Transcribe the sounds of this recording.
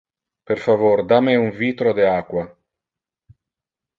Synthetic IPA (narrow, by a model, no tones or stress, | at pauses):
peɾfavoɾd̪ameuɱviːt̪ɾod̪eaːkwa